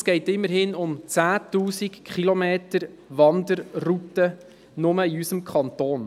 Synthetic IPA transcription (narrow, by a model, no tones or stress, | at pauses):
sɡ̥ɛɪtɪmːəɾhɪnʊmt͡sæːtuːsikχilomeːtəɾ | ʋɑnd̪əɾrutə | nʊməiysəmkʰχɑntoːn